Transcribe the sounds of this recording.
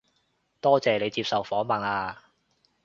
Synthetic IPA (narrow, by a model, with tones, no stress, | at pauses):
t̪ɔː˥t͡sɛː˨ne˨˧jt͡siː˧p̚sɐ˨wfɔː˨˥mɐ˨˩naː˧